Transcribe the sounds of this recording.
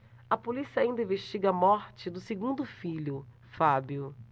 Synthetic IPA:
ɐpolisiɐaĩd̪ɐĩveʃt͡ʃiɡɐmɔɾt͡ʃɪd̪ʊseɡũnd̪ʊfiʎʊ | fabjʊ

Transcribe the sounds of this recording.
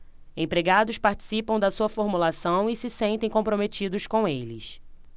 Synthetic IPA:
ẽpɾeɡad̪ʊspaɾt͡ʃi̥sipɐ̃w̃d̪ɐsuɐfoɾmulasɐ̃w̃isɪsẽnt̪ẽj̃kõpɾomet͡ʃid̪ʊʃkõw̃elɪs

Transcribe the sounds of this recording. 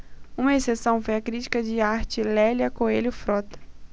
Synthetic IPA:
ũmɐesesɐ̃w̃fojɐkɾit͡ʃi̥kɐd͡ʒɪaɾt͡ʃɪlɛljɐkoelʲʊfɾɔt̪ɐ̥

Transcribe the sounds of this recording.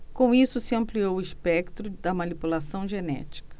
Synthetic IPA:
kõisʊsɪɐ̃mpliowʊispɛkt̪ɾʊd̪ɐmanipulasɐ̃w̃ʒenɛ̰t͡ʃi̥kɐ̥

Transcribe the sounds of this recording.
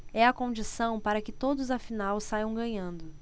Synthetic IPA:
ɛɐkõnd͡ʒisɐ̃w̃paɾɐkɪt̪od̪ʊzɐfinawsajɐ̃w̃ɡɐ̃ɲɐ̃nd̪ʊ

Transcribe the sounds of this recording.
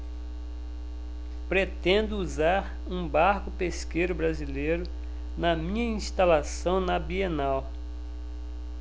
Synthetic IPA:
pɾet̪ẽnd̪ʊuzaɾ | ũbaɾkʊpeskejɾʊbɾazilejɾʊ | nɐmĩɲɐĩst̪alasɐ̃w̃nɐbienaw

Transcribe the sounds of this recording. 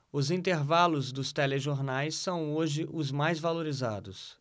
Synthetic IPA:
ʊzĩnt̪eɾvalʊzd̪ʊst̪ɛleʒoɾnajsːɐ̃w̃oʒɪʔʊzmajzvaloɾiza̰d̪ʊs

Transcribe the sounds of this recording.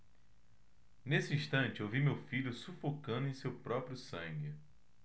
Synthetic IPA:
nesɪĩʃt̪ɐ̃t͡ʃɪowvimewfiʎʊsufokɐ̃nd̪ʊẽj̃sewpɾɔpɾjʊsɐ̃ɡɪ

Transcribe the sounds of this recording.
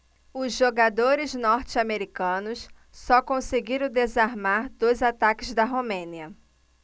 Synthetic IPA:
ʊzʒoɡad̪oɾɪznɔɾt͡ʃɪameɾikɐ̃nʊs | sɔkõseɡiɾɐ̃w̃d̪ezaɾmaɾd̪ojzat̪akɪzd̪ɐɦomẽniɐ

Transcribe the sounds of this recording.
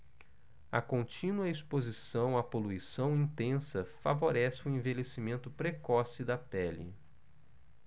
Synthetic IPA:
ɐkõnt͡ʃĩnuɐispozisɐ̃w̃ɐpoluisɐ̃w̃ĩt̪ẽsɐfa̰voɾɛsɪʊẽvelesimẽnt̪ʊpɾekɔsɪd̪ɐpɛlɪ̰

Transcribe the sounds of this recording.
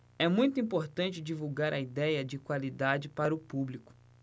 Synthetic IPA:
ɛmũj̃t̪ʊĩpoɾt̪ɐ̃nt͡ʃɪd͡ʒivuwɡaɾʔɐid̪ɛjɐd͡ʒɪkwalid̪ad͡ʒɪpaɾʊpublikʊ̥

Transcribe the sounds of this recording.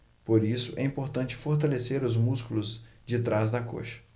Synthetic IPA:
poɾisʊʔɛĩpoɾt̪ɐ̃t͡ʃɪ̥foɾt̪̬aleseɾʊzmuskulʊzd͡ʒɪt̪ɾazd̪ɐko̰ʃɐ̥

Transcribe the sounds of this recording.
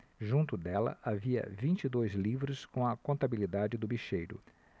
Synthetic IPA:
ʒũnt̪ʊd̪ɛlɐ̰ʔaviɐ̰vĩnt͡ʃid̪ojzlivɾʊskõɐkõnt̪abilid̪ad͡ʒɪd̪ʊbiʃejɾʊ̰

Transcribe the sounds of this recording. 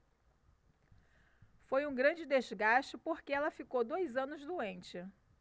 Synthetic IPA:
fojũɡɾɐ̃nd͡ʒɪd̪ezɡaʃt͡ʃɪpoɾkɪɛlɐfikowd̪ojzɐ̃nʊzd̪uẽnt͡ʃɪ

